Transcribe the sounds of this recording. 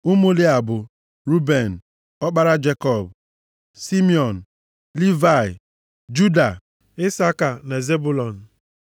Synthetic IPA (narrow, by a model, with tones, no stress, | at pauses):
ʊ˦mu˦li˦a˨bʊ˨ | ɾu˦be˨n̩˨ | ɔ˦k͡pa˦ɾa˦d͡ʒe˦kɔ˦˨b | si˦mi˦ɔ˨n̩˨ | li˦va˨ɪ˨ | d͡ʒu˦da˨ | ɪ˦sa˦ka˨na˨ze˦bu˦˨lɔ˨n̩˨